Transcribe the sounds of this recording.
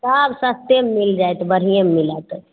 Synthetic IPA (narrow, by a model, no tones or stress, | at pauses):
absəst̪emːild͡ʒajt̪bəɾ̤ijemːilət̪